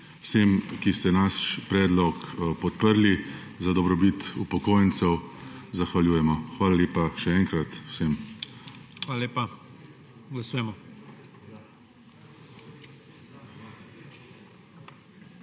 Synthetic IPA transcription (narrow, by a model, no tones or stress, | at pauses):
wsemkist̪ɛnaspɾɛːd̪lɔkpɔt̪̚pəɾli | zad̪ɔbɾɔbit̪upɔkoːjənsɛwzaxʋalʲjuːjɛmɔxʋaːlaleːpaʃɛɛːŋkɾat̪wsem | alalepa | ɡlasuːjɛmɔ